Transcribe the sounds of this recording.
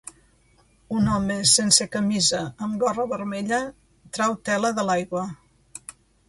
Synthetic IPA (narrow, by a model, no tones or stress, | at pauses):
unɔməsensekəmizəːmɡɔrəβəɾmeʎə | t̪ɾawt̪ɛləðəlajɣwə